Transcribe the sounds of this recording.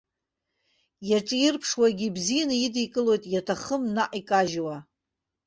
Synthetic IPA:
jaʈ͡ʂʼjɪrpʰʂwaɡʲibzijanɨjidikʼɨlo̞jtʼjatʰaχəmnaʔʼikʼaʒwa

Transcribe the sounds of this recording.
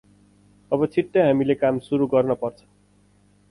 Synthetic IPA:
ʌbʌt͡sʰiʈːʌɦamilekamsuɾuɡʌrnʌpʌrt͡sʰʌ̥

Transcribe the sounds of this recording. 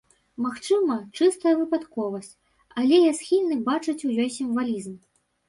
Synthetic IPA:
maxt͡ʂɨmɐt͡ʂɨst̪ɐjɐvɨpat̪kɔvɐsʲt͡sʲ | alʲɛjasxʲilʲnɨbat͡ʂɨt͡sʲujʲɔjsʲimvalʲizm

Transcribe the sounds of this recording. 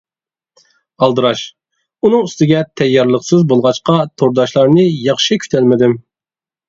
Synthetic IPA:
ɑlˠd̪ɨɾɑʃ | unɨŋyst̪ɪɡʲɛt̪ʰɛjːɑɾlˠəqsɨzbolˠʁɑt͡ʃqɑt̪ʰoɾd̪ɑʃlˠɑɾnɨjɑχʃikʲʰy̥t̪ʰɛlmɪd̪ɪm

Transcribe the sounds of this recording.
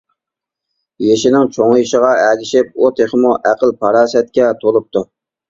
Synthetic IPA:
jeʃɪnɪŋt͡ʃʰoŋɪʃɪʁɑæɡʲɪʃɪp̚ot̪ʰeχmuʔæqəlˠpʰɑɾɑːsɛt̪̚kʲɛt̪ʰolˠɨp̚t̪ʰʊ

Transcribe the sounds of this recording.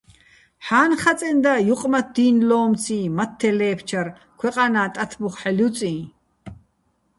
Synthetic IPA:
ħaːnχat͡sʼɛnd̪ajuqʼmat̪̚d̪iːnlɔːmt͡sʰĩːmat̪ʰːɛlɛːpʰt͡ʃʰar | kʰwɛqʼanaːt̪ʼat̪ʰbuχħɛljut͡sʼĩː

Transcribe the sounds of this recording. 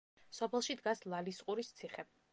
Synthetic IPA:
sɔpʰɛlˠʃid̪ɡaslˠalisqʼuɾist̪sʰiχɛ

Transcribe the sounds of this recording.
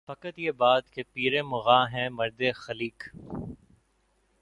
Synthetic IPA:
fɐkət̪jebaːt̪kepiːɾẽmʊɣaːɦɛ̃mɐɾd̪exɐliːk

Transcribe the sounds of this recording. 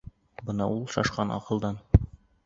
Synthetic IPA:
bɤnɑʔulˠʃɒʃqɑnʔɒ̰qɤ̆lˠd̪ɑn

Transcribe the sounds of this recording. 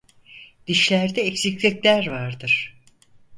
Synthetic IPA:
d̪̥iʃlʲæɾd̪ɛːcsiclʲiclʲæɾvaɾd̪ɯɾ̥

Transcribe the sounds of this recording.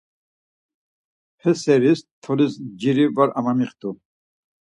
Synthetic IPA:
hɛsɛɾist̪ʰɔlisd͡ʒiɾivaɾamamiχt̪u

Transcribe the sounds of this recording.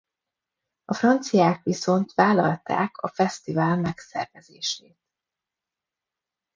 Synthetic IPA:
ɒfrɒnt̪sijaːkʋiso̞nt̪ʋaːlɒlt̪a̰ːkʰɒfɛst̪ivaːlmɛksɛ̰rvɛzeːʃeːt̪̚

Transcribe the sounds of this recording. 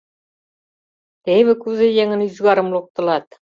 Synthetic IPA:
t̪ejβɘkʉzɘjeŋɘ̆njʏzɡɑɾə̆mlˠuq̚t̪ɤ̆lˠɑt̪̚

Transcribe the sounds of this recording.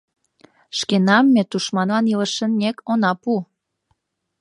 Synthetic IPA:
ʃkenɑmːet̪uʃmɑnlɑniləʃənnʲekonɑpu

